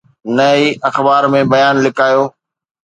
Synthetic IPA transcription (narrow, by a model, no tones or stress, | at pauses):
nɐiːʔɐxbaːɾmẽbɐjaːnlɪkaːjoː